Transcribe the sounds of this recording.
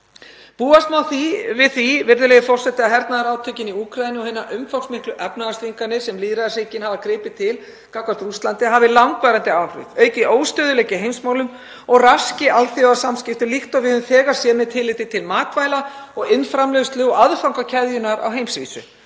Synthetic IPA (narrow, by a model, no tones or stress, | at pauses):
puːast̪mawθivɪðθivɪɾðʏlɛːɣɪfɔr̥sɛht̪ɪaɦɛɾt̪naðaɾaːwt̪ʰœɥcɪniuːkʰɾajnɪɔhɪnaʔʏmfawksmɪhklʏʔɛpnaðast̪viŋkanɪsɛmliːðɾaðasɪcɪnhavakɾɪːpɪt̪ʰɪl | kawkaɾt̪ɾust̪lant̪ɪɦavɪlawŋkvaːɾant̪ɪawɾʏ̰ðœːɥcɪʔoːwst̪œːðʏlɛːcɪɦejmsmaːwlʏm | ɔɣrascɪʔalθiɔasamscɪft̪ʏlixt̪ɔɣvɪðhʏðmθɛːɣasjɛmɪt̪ʰɪlːɪːt̪ɪt̪ʰɪlmaːt̪vaːjlaɔɣɪnfɾamlœɣst̪lɪɔɣaðfawŋkacʰɛðjʏnaɾa̰wɦejmsvḭːsʏ̰